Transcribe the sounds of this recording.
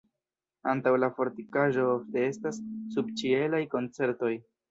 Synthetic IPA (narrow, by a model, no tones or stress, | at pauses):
antawlafo̞ɾtikaʒo̞ofte̞e̞stasːub̚t͡ʃie̞lajko̞nt͡se̞ɾto̞j